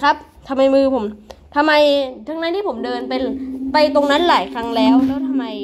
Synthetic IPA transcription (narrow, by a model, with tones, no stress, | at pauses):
kʰa˦˥p̚ | t̪ʰa˧mːa˧jmɯː˧pʰo˩˦mt̪ʰa˧mːa˧jt̪ʰa˦˥ŋna˦˥niː˥˩pʰo˩˦mdɤː˧npe˧npa˧jt̪o˧ŋna˦˥nlaː˩˦jkʰɾa˦˥ŋlɛː˦˥wlɛː˦˥wt̪ʰa˧mːa˧j